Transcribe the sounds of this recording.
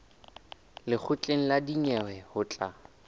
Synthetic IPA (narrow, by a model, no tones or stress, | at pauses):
lɪk͡xʰʊt͡ɬʼeŋ̩ladiɲɛwɛhʊt͡ɬʼa̰